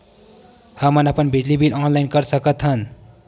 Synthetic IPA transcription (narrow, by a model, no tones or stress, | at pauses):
hʌmʌnʌpʌnbʱid͡ʒlibilʔɔnlajnkʌɾsʌkʌt̪ɦʌn